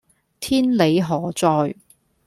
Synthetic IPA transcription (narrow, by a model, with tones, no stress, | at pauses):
t̪ʰiː˥nle˨˧jɦɔː˨˩t͡sɔː˧j